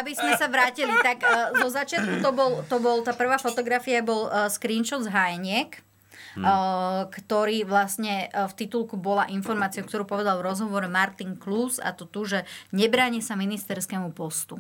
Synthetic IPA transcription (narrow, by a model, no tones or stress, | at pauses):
abizmɛsaʋɾaːcilit̪akzɔzat͡ʃɪat̪̚kut̪ɔbɔlt̪ɔbɔlt̪aːpr̩ʋaːfɔt̪ɔɡɾafiabɔlskɾiːnʃɔd̪d͡zɦajɲɪɛk | kt̪ɔɾiːʋlasɲɛft̪it̪ulkubɔlaʔinfɔɾmaːt͡siokt̪ɔɾuːpɔʋɛd̪alˠvʋɾɔzɦɔʋɔɾɛmaɾt̪iŋklusa̰t̪ɔt̪uʒɛɲɛbɾaːɲisaminist̪ɛɾskɛːmupɔst̪u